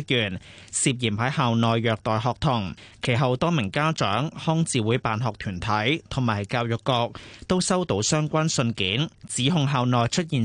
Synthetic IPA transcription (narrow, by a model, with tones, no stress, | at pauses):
k̚jyː˨˩n | siː˧p̚jiː˨˩mhɐ˨˥jhaː˨˧wnɔː˨˩jːœː˨k̚t̪ɔː˨jɦɔː˨k̚t̪ʰʊ˨˩ŋkʰe˨˩jɦɐ˨wt̪ɔː˥mɪ˨˩ŋkaː˥t͡ʃœ̰ː˨˥ŋhɔː˥ŋt͡siː˨wuː˨˥jpaː˨nɦɔː˨k̚t̪ʰyː˨˩nt̪ʰɐ˨˥jt̪ʰʊ˨˩maː˨˩˨jkaː˧wjʊ˨kːɔː˧k̚t̪o˥wsɐ˥wt̪o˨˥wsœː˥ŋkʷa˥nsɵ˧nkiː˨˥nt͡siː˨˥ɦʊ˧ŋɦaː˨˧wnɔː˨jt͡ʃʰɵ˥t̚jiː˨n